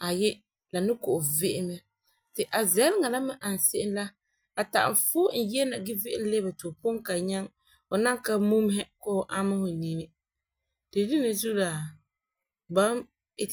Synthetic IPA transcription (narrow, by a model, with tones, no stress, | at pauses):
a˨jɛ˦ | la˨nɪ˦kʊ˨ʔʊ˨vɪ˦ʔɪ˦mɛ˦ | tɪ˨ʔa˨zɛ˦lɪ˦ŋa˨la˦mɪ˦ʔa˨n˨sɪ˦ʔɪ˦n˦la˦ | a˨ta̰˨ʔm˨fʊː˦n̩˨jɛ˦na˨ɡɪ˦vɪ˦ʔɪ˦n˦le˦ba˨to˨po˦ŋka˨ɲɛ˦ŋ | ʊ˨na˦ŋka˦mu˦m˦ɦɛ˦kɔ˦˨ʔa˦ma˦hʊ˨ni˨nɪ˦ | d̥e˨di˦nɪ˨zu˦la˨ | ba˦m˨